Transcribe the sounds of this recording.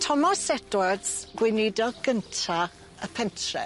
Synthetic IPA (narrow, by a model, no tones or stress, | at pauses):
tʰɔmɔsɛdwədsɡ̥wɪnɪdɔɡəntʰa | əpʰɛntʰrɛ̰